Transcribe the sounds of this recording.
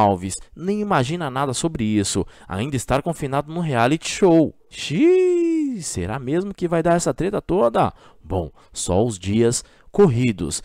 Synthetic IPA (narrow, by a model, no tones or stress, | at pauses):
awvisnẽj̃imaʒĩnɐnad̪ɐsobɾɪisʊ̰ | a̰ĩnd̪ɐɪst̪aɾkõfinad̪ʊnʊɦealit͡ʃɪ̥ʃow | ʃi | sḛɾamezmʊkɪvajd̪aɾɛsɐt̪ɾet̪ɐt̪od̪ɐ̰ | bõ̰w̃ | sɔ̰ʊzd͡ʒiɐs | koɦid̪ʊ̰s